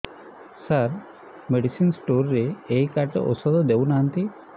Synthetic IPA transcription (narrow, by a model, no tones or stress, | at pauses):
səɾ | meɽisinsʈoɾːeejkaɾʈə̰ʔɔ̰sɔd̪ɔd̪eunaɦənt̪i